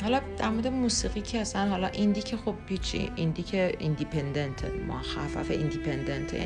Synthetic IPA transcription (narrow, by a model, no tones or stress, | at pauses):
hɒlɒd̪æɾmoɾd̪emuːsiːɣiːcʰeæsænɦɒlɒʔind̪icʰexobbit͡ʃʰḭind̪icʰeind̪ipʰend̪ent̪ʰemʔo̰xæfæ̰feʔind̪ipʰend̪ent̪ʰḛ